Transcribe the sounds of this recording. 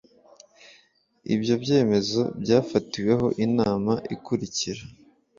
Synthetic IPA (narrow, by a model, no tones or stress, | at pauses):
ḭbjo̞bɟe̞ːme̞zo̞bɟaːfatiwe̞ɦo̞ʔinaːmaʔikuɾiciɾa